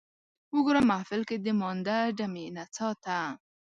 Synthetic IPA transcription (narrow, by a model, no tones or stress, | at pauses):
wʊɡoɾamahfɪlked̪əmɑnd̪aɖamenat͡sɑt̪a